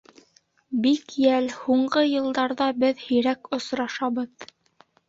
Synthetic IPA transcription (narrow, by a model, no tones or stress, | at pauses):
bikjælhuɴɢɤjɤ̆lˠd̪ɑɾðɑbɘðhɵ̆jɾækŏsɾɑʃɑβɤð